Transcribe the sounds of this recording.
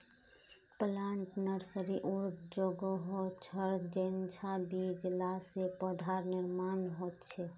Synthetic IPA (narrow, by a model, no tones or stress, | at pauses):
plaɳʈnəɾsəɾiʔuɾt̪d͡ʒoɡoɦot͡ʃʰəɾd͡ʒent͡ʃʰabid͡ʒlasepɔd̪ʱaɾnɪɾmanɦot̪t͡ʃʰɛ